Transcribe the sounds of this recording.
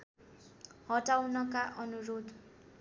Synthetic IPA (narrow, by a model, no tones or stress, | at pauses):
hʌʈawnʌkaʔʌnuɾod̪